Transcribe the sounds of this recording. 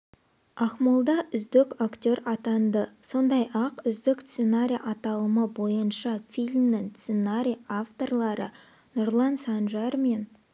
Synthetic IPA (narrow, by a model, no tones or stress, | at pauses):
ɑqmolˠd̪ɑʔʏzd̪ɪkakt̪ʲo̞ɾɑt̪ɑnd̪əso̞nd̪ɑjɑqʏzd̪ɪkssenaɾʲijʔɑt̪ɑlˠəməbo̞jənʃɑfʲijlʲmnɪŋssenaɾʲijaft̪o̞rlˠɑɾə̰ | nʊɾlˠɑnsɑnʒɑɾme̞n